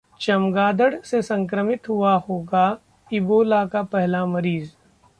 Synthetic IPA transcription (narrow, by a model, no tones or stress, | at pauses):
t͡ʃɐmɡaːd̪əɽsesɐ̃ŋkɾəmɪt̪ɦuahoːɡa | ɪboːlakapɛɦlamɐɾiːz